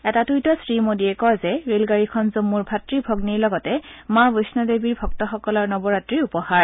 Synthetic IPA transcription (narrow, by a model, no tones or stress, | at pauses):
ɛtatujtɔsɹimodiɛkɔjzɛɹelɡaɹikʰɔnzumːuɹbʱatɹibʱɔɡniɹlɔɡɔtɛmabosnɔdebiɹbʱɔk̚tɔxɔkɔlɔɹnɔbɔɹatɹiupɔxaɹ